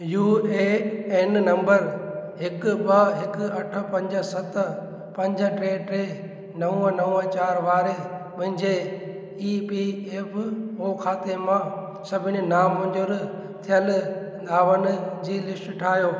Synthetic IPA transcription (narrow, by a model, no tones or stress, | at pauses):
juːeːɛnnɐ̃mbəɾɦɪkbɐɦɪk̆ɐʈʰə̆pɐ̃ɲd͡ʑə̆sɐt̪̆ | pɐ̃ɲd͡ʑə̆ʈɾeːʈɾeː | nɐũə̃nɐũə̃t͡ɕaːɾʋaːɾepɐ̃ɦɪ̃ɲd͡ʑe | iːpiːeːpʰoːkʰaːt̪emãː | sɐbʱɪñinaːmɐ̃ɲd͡ʑʊɾ | t̪ʰijəlɗ̪aːʋənd͡ʑiːlɪsʈʈʰaːɦjoː